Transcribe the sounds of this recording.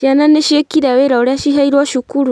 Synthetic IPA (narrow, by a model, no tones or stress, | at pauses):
jananeʃiekiɾaweɾaoɾaʃiɦaiɾwaʃukuɾu